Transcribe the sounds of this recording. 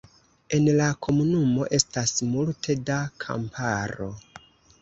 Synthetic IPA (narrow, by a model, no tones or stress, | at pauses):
e̞nlakʰo̞munumo̞ʔe̞stasmultʰe̞dakʰa̰mpʰaɾo̞